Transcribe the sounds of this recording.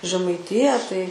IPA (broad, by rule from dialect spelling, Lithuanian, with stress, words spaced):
ʒʲɛmɐɪˈtʲɪjæː tɐɪ